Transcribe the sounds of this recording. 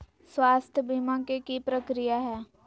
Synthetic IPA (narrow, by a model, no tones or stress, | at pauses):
swaːst̪ʰjəbʱimãkekipɾɐkɾijaɦɛː